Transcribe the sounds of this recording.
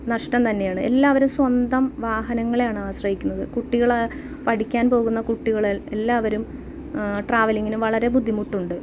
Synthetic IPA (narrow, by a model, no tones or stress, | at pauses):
nɐʂʈɐmt̪ɐnːe̞jaːɳɨe̞̰lːaːʋɐɾumswɐnd̪ɐmʋaːɦɐnɐŋːɐɭejaːɳɨaːɕrɐɦikʲːunːɐðɨkuʈːiɣɐɭ | pɐʈikʲːaːnpo̞ːɣunːɐkuʈːiɣɐɭile̞lːaːʋɐɾum | ʈraːʋɐliŋːɡinumʋɐɭɐɾe̞bud̪ʱːimuʈːuɳɖɨ